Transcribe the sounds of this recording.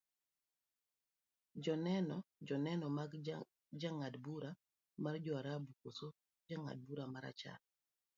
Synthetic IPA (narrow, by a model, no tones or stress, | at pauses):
d͡ʒɔnɛnɔd͡ʒɔnɛnɔmaɡ | d͡ʒaŋadbuɾa | mard͡ʒɔaɾabukoso | d͡ʒaŋa̰d̚buɾamaɾa̰t͡ʃa̰l